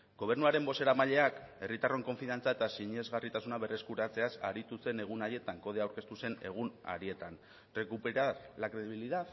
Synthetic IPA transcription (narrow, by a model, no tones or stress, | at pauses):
ɡ̥o̞β̞e̞ɾnuaɾe̞mbo̞se̞ɾamaʎe̞ake̞rit̪aro̞ŋko̞ɱfiðant͡sae̞t̪asiɲe̞zɣarit̪asunaβe̞re̞skuɾat͡se̞asa̰ɾit̪use̞ne̞ɣ̞unaje̞t̪aŋko̞ð̞e̞awɾke̞st̪use̞ne̞ɣ̞una̰ɾie̞t̪an | re̞kupeɾaɾlakɾe̞ðiβ̞iliðað